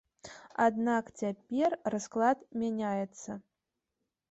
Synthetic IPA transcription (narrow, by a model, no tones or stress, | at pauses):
a̰d̪nakt͡sʲapʲɛrrasklˠat̪mʲanʲajɛt̪sːɐ